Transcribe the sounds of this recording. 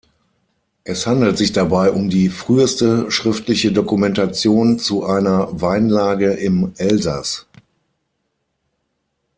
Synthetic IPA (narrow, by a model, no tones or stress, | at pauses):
ʔɛshandl̩tz̥ɪçd̥abaɪʔʊmdiːfʁ̥yːəstəʃʁ̥ɪftʰlɪçədokumɛntat͡sjoːnt͡suʔaɪnɐvaɪnlaːɡəʔɪmʔɛlza̰s